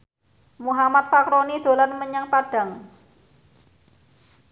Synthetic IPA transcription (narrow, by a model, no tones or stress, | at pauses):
muɦamat̪̚fakɾonid̪̥o̤lanməɲaŋpaɖ̥ä̤ŋ